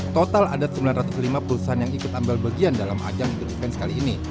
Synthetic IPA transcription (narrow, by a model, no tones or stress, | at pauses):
t̪ot̪aladat̪səmbilanrat̪ʊ̥slimapəɾuusaɦanjaŋikʊt̪ambɪlbaɡiandalama̰d͡ʒamik̪ut̪̚ifɛnsə̥kaliːni